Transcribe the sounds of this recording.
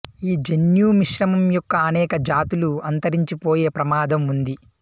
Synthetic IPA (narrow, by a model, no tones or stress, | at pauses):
iːd͡ʒenjuːmiʂɾɐmɐmjɔkːɐːnɛːkɐd͡ʒaːt̪uluɐnt̪ɐɾiɲt͡ʃipoːjeːpɾɐmaːd̪ɐmund̪i